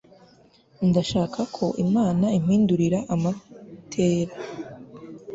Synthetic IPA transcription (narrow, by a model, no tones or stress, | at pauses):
ndaʃaːkʰakʰo̞ʔimaːnaim̥hiːnduɾiɾaʔamatʰeːɾa